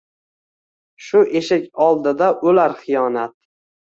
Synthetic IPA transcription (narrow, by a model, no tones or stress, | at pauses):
ʃʊʔeʃɪkʲɒlˠd̪ɪd̪aʔolaɾχɨjɒnat̪̚